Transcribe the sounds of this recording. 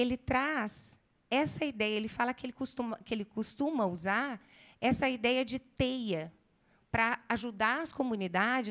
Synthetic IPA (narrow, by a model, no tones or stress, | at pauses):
elɪt̪ɾas | ɛsɐid̪ɛjɐelɪfalɐkɪelɪkust̪ũmɐkɪelɪkust̪ũmɐuzaɾ | ɛsɐid̪ɛjɐd͡ʒɪt̪ejɐ | pɾɐaʒud̪aɾɐskomũnid̪ad͡ʒɪ